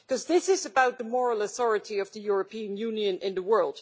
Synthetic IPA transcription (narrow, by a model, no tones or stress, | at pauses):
kʌzðɪsɨzɨbaʊt̪̚ðəmɔɹl̩ˠəθɔɹɨɾiʌvðɨjʊɹɨpʰĩɨ̃njʉ̃njɨ̃nʔɪ̃nðəwɜ˞lˠd̥